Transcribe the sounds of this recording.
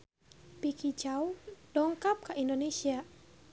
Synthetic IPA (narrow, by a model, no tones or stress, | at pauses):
pikit͡ʃawd̥ɔŋkap̚kaʔindonesia